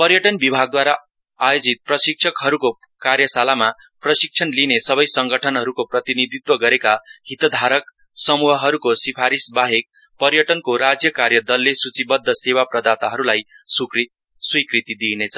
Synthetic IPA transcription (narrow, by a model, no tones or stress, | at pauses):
pʌɾjʌʈʌnbibʱaɡ̚d̪waɾa | ajod͡zit̪̚prʌsik̚sʰʌkɦʌɾuko | karjʌsalamaprʌsik̚t͡ʃʰʌnlinesʌbʌjsʌŋɡʌʈʰʌnɦʌɾukoprʌt̪inid̪it̪wʌɡʌɾekahit̪ʌd̪ʱaɾʌk̚ | sʌmuɦʌɦʌɾukosipʰaɾisbaɦek̚ | pʌrjʌʈʌnkoɾad͡zjʌkarjʌd̪ʌlːesut͡sibʌd̪ʱːʌsewaprʌd̪at̪aɦʌɾulajsk | swikrit̪id̪inet͡sʰʌ